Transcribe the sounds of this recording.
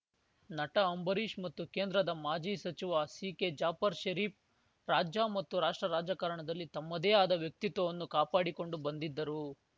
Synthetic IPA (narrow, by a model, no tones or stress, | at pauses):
nɐʈɐːmbɐɾiːʃmɐt̪ːukeːnd̪ɾɐd̪ɐmaːd͡ʒiːsɐt͡ʃiʋasiːked͡ʒaːpɐɾʃɐɾiːp̚ | ɾaːd͡ʒjamɐt̪ːuɾaːʂʈɾɐɾaːd͡ʒakɐɾɐɳɐd̪ɐlːit̪ɐmːɐd̪eːaːd̪ɐʋjɐk̚t̪it̪ʋɐʋɐnːukaːpaːɽiko̞ɳɖubɐnd̪id̪ːɐɾu